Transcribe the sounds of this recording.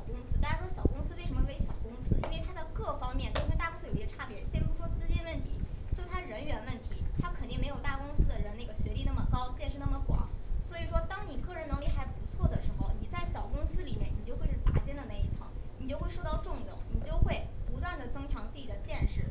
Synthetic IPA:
kʊ˥ŋsɹ̩˥t̪a˥nʂɻ̩˥˩ʂwɔ˥ɕjɑ˨˩kʊ˥ŋs̩˥we˥˩ɪʂə˧˥mə˥˩ɕjɑ˨˩ʊkʊ˥ŋsɹ̩˥ḭ˥nwe˥˩ɪt̪ʰa˥t͡sa˥˧ɪkɤ˥˩fɑ˥ŋmjɛ˥˩nt̪o˥˧˥t̪a˥˧ksɹ̩˥jo̰˨˩˥ɕɛ˥ʈ͡ʂʰa˥pjɛ˧˥ɕjɛ˥pu˧˥˩ʂwɔ˥t͡sɹ̩˥t͡ɕjɛ˥nwə˥˩nt̪ʰi˧˥t͡ɕt͡ɕo˥˩˧t̪ʰa˥˧ɻə˧˥nɥɛ˧˥nwə˥˩nt̪ʰi˧˥t̪ʰa˥kʰə˨˩nt̪i˥˩ŋme˧˥ɪjo˨˩ʊt̪a˥˩kʊ˥ŋsɹ̩˥d̪ə˨ɻə˧˥na˥˩ɡə˩ɕɥɛ˧˥li˥˧na˥˩mə˩kɑ˥ʊt͡ɕjɛ˥˧nʂɻ̩˥˧n˥˩mə˩kwɑ̰˨˩˦swɔ˧˥i˨˩ʂwɔ˥t̪ɑ˥ŋni˨˩kɤ˥˩ɻə˧˥nɤ˧˥ŋli˥˩xa˧˥ɪpu˧˥t͡sʰwɔ˥˩d̪ə˩ʂɻ̩˧˥xo˥˧ʊni˨˩t͡sa˥˩ɪɕjɑ˨˩ʊkʊ˥ŋsɹ̩˥li˨˩mjɛ˥˩ni˨˩t͡ɕjo˥˧ʊxwe˥˧ɪʂɻ̩˥˩t̪a̰˧˥t͡ɕjɛ˥nd̪ə˨na˥˩ɪi˥˩t͡sʰɑ̰˧˥˦ŋni˨˩t͡ɕjo˥˧ʊxwe˥˧ɪʂo˥˧ʊt̪ɑ˥˧ʊʈ͡ʂʊ˥˧ŋjʊ˥˩ʊŋni˨˩t͡ɕjo˥˧ʊxwe˥˩ɪpu˧˥t̪wa˥˩nd̪ə˩t͡sɤ˥ŋʈ͡ʂʰjɑ˧˥ŋt͡sɹ̩˥˩t͡ɕi˨˩d̪ə˦t͡ɕjɛ˥˧nʂɻ̩˥˩

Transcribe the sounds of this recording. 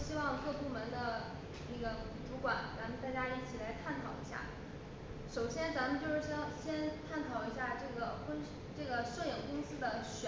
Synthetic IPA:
ɕi˥wɑ˥˧ŋkɤ˥˧pu˥˩mə˧˥nd̪ə˧ | na˥˩ɡə˩ʈ͡ʂu˧˥kwa˨˩˦nt͡sa˧˥mə˧nt̪a˥˩t͡ɕja˥i˥˩t͡ɕʰi˨˩la˧˥ɪt̪ʰa˥˩nkʰɑ˨˩ʊḭ˧˥ɕja̰˥˩ | ʂo˨˩ʊɕjɛ˥nt͡sa˧˥mə˨˧nt͡ɕjo˥˧ʊʂɻ̩˥˩ɕɑ˥˩ŋɕjɛ˥nt̪ʰa˥˩nk̪ʰɑ˨˩ʊi˧˥ɕ̬ja˥˧ʈ͡ʂɤ˥˩ɡə˩kŋ | ʈ͡ʂɤ˥˩ɡə˩ʂɤ˥˩jɪ˨˩ŋkʊ˥ŋsɹ̩˥d̪ə˨ɕ

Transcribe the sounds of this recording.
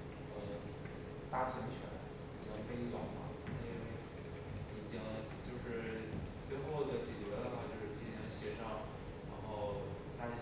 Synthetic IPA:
ə˧ | t̪a˥˩ɕə˧˥ŋt͡ɕʰɥɛ̰˧˥n | i˨˩t͡ɕɑ˥ŋpe˥˧ɪi˥˩wɑ˧˥ŋma̰˧˩˥i˥nwe˥˩ɪ˧ | i˨˩t͡ɕi˥ŋ | t͡ɕjo˥˧ʊʂɻ̩˥˩swe˥˧ɪxo˥˩ʊd̪ə˩t͡ɕɛ˨˩t͡ɕɥɛ˧˥d̪ə˧xa˥˧˩t͡ɕjo˥˧ʊʂɻ̩˥˧t͡ɕi˥nt̪ʰɕjɛ˥˩ʂɑ˥˩ŋ | ɻa̰˧˥nxo˥˩ʊ | t̪a˥˧˥

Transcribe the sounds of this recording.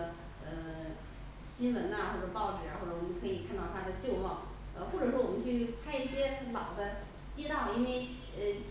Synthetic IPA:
ə˧ | ə˧ | ɕi˥nwə˧˥nɐ˧xwɔ˥˧˩ʈ͡ʂpɑ˥˩ʊʈ͡ʂɻ̩˨˩ɻa˥xo˥˩ʈ͡ʂɤ˥˩wɔ˨˩mə˦˥kʰɤ˧˥i˨˩kʰa˥˧nt̪ɑ˥˩ʊt̪ʰa˥d̪ə˨t͡ɕjo˥˧ʊmɑ˥˩ʊ | ə̰˧xwɔ˥˩ʈ͡ʂɤ˨˩ʂ̬wɔ˥wɔ˨˩mə˦nt͡ɕʰy˥˩pʰa˥ɪi˥˩ɕjɛ˥lɑ˨˩ʊd̪ə˦ | t͡ɕjɛ˥t̪ɑ˥˩ʊi˥nwe˥˩ɪ | ə˧t͡ɕ

